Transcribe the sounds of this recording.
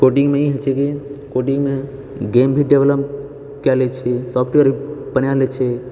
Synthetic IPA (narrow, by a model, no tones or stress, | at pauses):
koʈiŋɡmẽiɦet͡ʃʰɛkikoʈiŋɡme | ɡembʱiɖeʋeləp | kɛlet͡ʃʰɛsɔpʰʈeɾibənjalet͡ʃʰɛ